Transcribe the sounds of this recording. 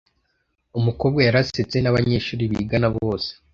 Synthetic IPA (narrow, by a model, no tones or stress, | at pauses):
umuko̞ːbɡajaɾaset͡se̞naβaɲe̞ʃuːɾiβḭɡanaβo̞ːse̥